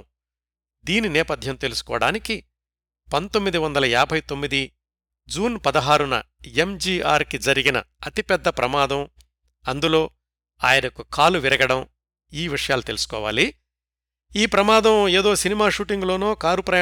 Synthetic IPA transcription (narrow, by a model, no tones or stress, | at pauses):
d̪iːninɛːpɐd̪ʱjɐmt̪e̞lusu̥kɔ̰ːɐɽaːniki | pɐnt̪omːid̪iʋɐnd̪ɐlɐjaːbʱɐjt̪o̞mːid̪i | d͡ʒuːnpɐd̪ɐɦaːɾunɐ̰ | emd͡ʒiːʔaːɾkid͡ʒɐɾiɡinɐ̰ɐt̪ipɛd̪ːɐpɾɐmaːd̪ɐm | ɐnd̪ulo̞ː | a̰ːjɐnɐkukʰaːluʋiɾɐɡɐɽɐm | iːʋiʂɐjaːlut̪e̞lusu̥kɔːʋa̰ːli | iːpɾɐmaːd̪ɐmeːd̪o̞ːsinimaːʃuːʈiŋɡlo̞ːnoːkaːɾupɾɐ